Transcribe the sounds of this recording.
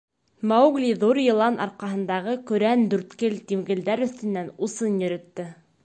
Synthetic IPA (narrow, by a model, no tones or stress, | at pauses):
mawɡlʲiðuɾjɤ̆lˠɑnʔɑ̰ɾqɑɦɤ̆nd̪ɑʁɤkɵ̆ɾænd̪ʉɾt̪kɘlt̪imɡɘ̆ld̪æɾɵ̆θt̪ɘ̆nːænusɤnjɵ̆ɾɵ̆t̪ːɘ